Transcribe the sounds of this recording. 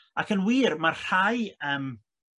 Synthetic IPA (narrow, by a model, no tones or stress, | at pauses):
akənwiːrmarr̥ajəːm